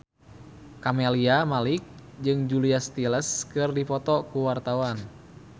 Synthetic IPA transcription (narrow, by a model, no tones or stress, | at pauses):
kamɛliamalik̚ | d͡ʒɨŋd͡ʒuliast̪iləskɨrdipɔt̪ɔkuwart̪awan